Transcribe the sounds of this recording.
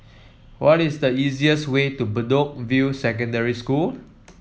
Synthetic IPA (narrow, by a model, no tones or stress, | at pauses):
wʔɔtisdəiziəswetubədok̚vjusɛkə̃ndəɹiskul